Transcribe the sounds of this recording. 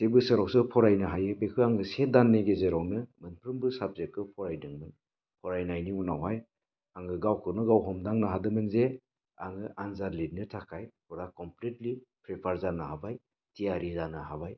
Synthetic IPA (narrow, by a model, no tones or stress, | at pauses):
sebɯsɯɾawsɯpʰɔɾajnɯɦajɯbekʰɯaŋɡɯsedanːeɡezeɾɔwnɯmɯnpʰɾɯmbɯsab̚zek̚kɯpʰɔɾajnɯŋmɯn | pʰɔɾajnajniunawɦaj | aŋɡɯɡawkʰɯnɯɡawɦɔmdaŋnɯɦadɯmɯnze | aŋɯʔanzaɾlitnɯtʰakʰajpʰɔɾakɔmpletlipʰɾepʰaɾzanɯhabaj | tijaɾizanɯɦabaj